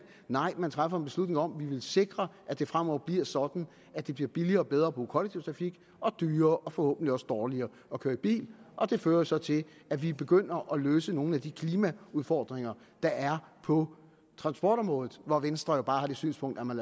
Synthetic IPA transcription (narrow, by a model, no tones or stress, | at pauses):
nɑ̈ɪ̰mænt͡sʰʁafɐenb̥e̝slud̥ne̝ŋɒ̽mʋiʋe̝lse̝ɡ̥ʁɐʔæd̥e̝fʁam̰ɒʊ̰b̥liɐ̰sɒ̽d̥n̩ | æd̥e̝b̥liɐb̥iliɐːb̥eð̞ˠʁɐːb̥ṵːkʰɒ̽leɡ̥̚t͡sʰiʊt͡sʰʁɑ̈fiɡ̥ | ɒ̽d̥yːɐːʔɒ̽fɒ̽hɔ̰ːb̥̚n̩dliɒ̽səd̥ɒːliɐː | ɒ̽kʰøːɐib̥ḭːlʔɒ̽d̥e̝føːɐjosɒ̽t͡sʰe̝læʋib̥e̝ɡ̥øn̰ɐʔɒ̽løːsəno̝ːn̩æd̥ikʰliːmæuðˠfɒ̰ːd̥ʁeŋɐ | d̥ɑ̈ʔæɐpʰɒ̽ | t͡sʰʁɑ̈nsb̥ɒːɾ̥ɒ̽mʁɔ̽ːðð̩ˠʋɒʋensd̥ʁɐjo̝b̥ɑ̈ːhɑ̈de̥sy̰ːnspʰɔ̽ŋ̰d̥ɐmæn